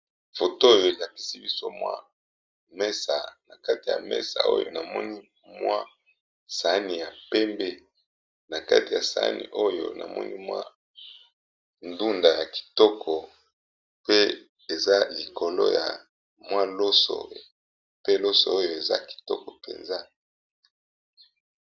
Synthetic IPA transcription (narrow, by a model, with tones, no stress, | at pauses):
fo˨toː˦jo˨e˨la˨pi̥˨si˦bi˦so˦mwa̰˦ | mɛ˦sa̰˨na˨ka˦ti˨ja̰˨mɛ̰˦sa̰˨o̰˦jo˨na˨mɔ˦ni˦ | mwa˦ | sa˨˦ni˨ja˨pɛ˦mbe˦ | na˨ka̰˦ti˨ja˨sa̰˨˦nḭ˨ʔo˦jo̰˨na̰˨mɔ̰˦ni˦mwa̰˦ | ndu˦nda˨ja˨ki̥˨tɔ˦kʰɔ˨ | pe˦ | e˨za˦li˨ko˨lo˦ja̰˨ | mwa˦lo˦so̰˨ | pe˦lo˦so̰˨o˦jo˨e˨za˦ki̥˨tɔ˦kɔ˨pḛ˨nza˦